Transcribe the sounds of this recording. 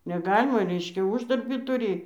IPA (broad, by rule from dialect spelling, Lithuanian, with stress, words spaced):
nʲɛˈɡɑːlʲɪmɐ ˈrʲɛɪʃʲkʲɛ ˈʊʒdɐrʲbʲiː tʊˈrʲiː